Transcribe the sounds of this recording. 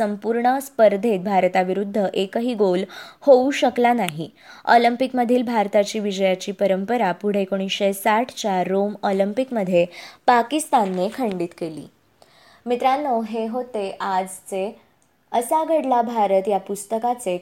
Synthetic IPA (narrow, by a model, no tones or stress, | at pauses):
səmpuɾɳəspəɾd̪ʱet̪̚bʱaɾt̪aʋiɾud̪ʱːəʔekəɦiːɡolhouɕəklanaɦi | ɔ̰limpikməd̪ʱiːlbʱaɾt̪at͡ɕiːʋid͡ʑəjat͡ɕiːpəɾəmpəɾapuɽ̤ekoɽ̃isɕesaʈʰt͡ɕaɾomɔlimpikməd̪ʱːjepakist̪anːekʰəɳɖiːt̪kelḭː | mit̪ɾanːoɦeɦot̪eʔad͡zt͡se | əsaɡʱəɽlabʱaɾət̪japust̪əkat͡se